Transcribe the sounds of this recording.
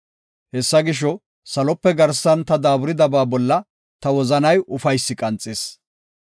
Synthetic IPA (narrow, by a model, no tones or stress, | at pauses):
hɛsːɐɡɪʃ̬ɔ | sɐlɔpːɛɡɐɾsːɐnt̪ɐd̪aːbʊɾɪd̪ɐbaːbɔlːɐ | t̪ɐwɔzɐnɐjʔʊfɐjsːɪkʼɐnt͡sʼːɪs